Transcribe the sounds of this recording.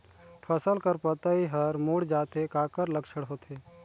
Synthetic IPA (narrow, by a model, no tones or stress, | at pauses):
pʰəsəlkəɾpət̪aiɦəɾmuːɽd͡ʒaːt̪ekaːkəɾləkʃəɽɦoːt̪eː